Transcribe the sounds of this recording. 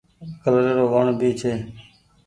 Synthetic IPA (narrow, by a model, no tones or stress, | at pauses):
kəlɾeːɾoːʋəɳbiːt͡ʃʰeː